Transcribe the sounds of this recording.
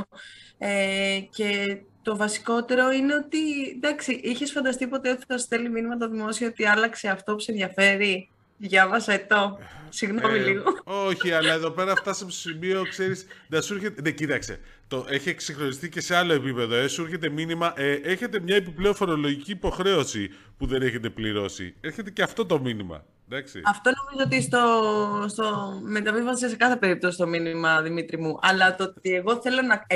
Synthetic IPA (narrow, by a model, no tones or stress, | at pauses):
ece̞t̪o̞vɐsi̥ko̞t̪e̞ɾo̞ine̞o̞t̪id̪ɐksiʔiçe̞sfɐnd̪ɐst̪ipo̞t̪e̞ot̪i̥θɐst̪eliminimɐt̪̬oðimo̞siɐot̪iɐlɐkse̞ɐft̪o̞pusenðʝɐfe̞ɾi | ðʝɐvɐsɐet̪o̞siɣnomiliɣooçiɐlɐe̞ðope̞ɾɐft̪ɐsɐpost̪osimio̞kse̞ɾisðɐsuɾçet̪eðecit̪ɐkse̞̰ | t̪oʔeçiksixɾo̞nist̪ice̞se̞ɐlo̞e̞pipe̞ðoesueɾçe̞t̪e̞minimɐʔeʔeçe̞t̪e̞mɲɐepiple̞o̞fo̞ɾo̞lo̞ʝiciːpo̞xɾe̞o̞si | puðe̞ne̞çe̞t̪e̞pliɾo̞sḭe̞ɾçe̞t̪e̞ceɐft̪o̞t̪o̞minimɐ̰ | ðɐksḭɐft̪o̞nomizoot̪ist̪ost̪omet̪ɐpifɐsiesekɐθe̞peɾip̚t̪ost̪o̞minmɐðimit̪ɾimuʔɐlɐt̪ot̪ie̞ɣo̞θe̞lo̞nɐ